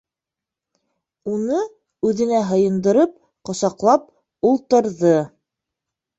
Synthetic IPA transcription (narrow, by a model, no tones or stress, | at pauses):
unɤ | ʉðɘ̆næɦɤ̆jɤ̆nd̪ɤ̆ɾɤp̚ | qŏsɑqlˠɑp̚ | ulˠt̪ɤ̆ɾðɤ